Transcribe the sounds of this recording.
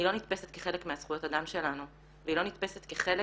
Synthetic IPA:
ilo̞nit̪pe̞set̪̚keχe̞lekmeasχujo̞t̪ad̪amʃe̞lanu | veilo̞nit̪pe̞set̪keχele

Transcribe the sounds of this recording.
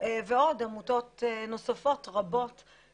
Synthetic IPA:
veod̪amuto̞t̪eno̞safo̞t̪ʁabo̞t̪

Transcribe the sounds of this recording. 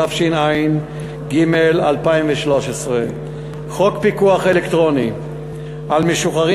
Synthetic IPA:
afʃinain | ɡimelalpaimveʃlo̞ʃesʁe | χo̞kpikuaχe̞lekt̪ʁo̞ni | ʔalmeʃuχaʁi

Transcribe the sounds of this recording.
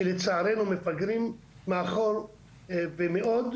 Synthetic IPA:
let͡saːɾenumefaɡɾim | mːeaχoɾ | vemeʔod̪

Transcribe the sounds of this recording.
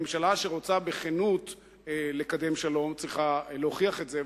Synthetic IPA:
mʃalaʃe̞ʁo̞t͡sabeχenut̪ | le̞kad̪e̞mʃalo̞mt͡sʁiχaloχiaχe̞tze

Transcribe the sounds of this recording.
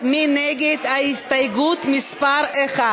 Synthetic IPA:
minɛɡɛt̪aist̪ajɡut̪mispaɾɛχa

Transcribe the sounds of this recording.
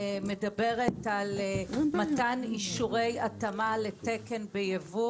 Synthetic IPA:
me̞dabe̞ʁetalmataniʃuʁe̞jatamaletekenbejevu

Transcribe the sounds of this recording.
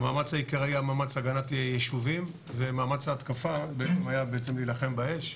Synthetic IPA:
maːmat͡shaikeʁajamaːmat͡saɡanatjeʃuvim | ve̞maːmat͡shaːt̪kafabeet͡semhajabeet͡se̞mlilaχe̞mbae̞ʃ

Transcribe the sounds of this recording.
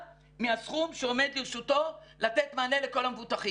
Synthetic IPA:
measχumʃeo̞me̞d̪liʁʃut̪o̞lat̪et̪maːleleko̞lamevut̪aχim

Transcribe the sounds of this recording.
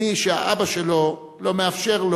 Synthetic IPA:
iʃea̰ʔabaʃelo̞ | lo̞meafʃe̞ʁl

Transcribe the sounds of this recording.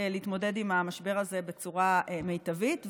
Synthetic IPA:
liit̪mo̞de̞dimamaʃbe̞ʁaze̞be̞t͡suʁame̞jtavit

